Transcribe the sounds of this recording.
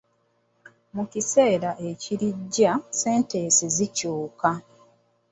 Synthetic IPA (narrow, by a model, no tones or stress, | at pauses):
mucise̞ːɾaʔe̞ciɾiɟːase̞ːnteːsizicuːka